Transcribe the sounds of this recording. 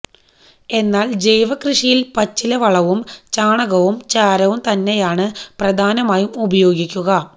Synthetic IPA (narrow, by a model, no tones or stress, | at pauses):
e̞nːaːld͡ʑe̞jʋɐkrɨʂijilpɐt͡ɕːilɐʋɐɭɐʋumt͡ɕaːɳɐɣɐʋumt͡ɕaːɾɐʋumt̪ɐnːe̞jaːɳɨprɐd̪ʱaːnɐmaːjumubɐjo̞ːɡikʲːuɣɐ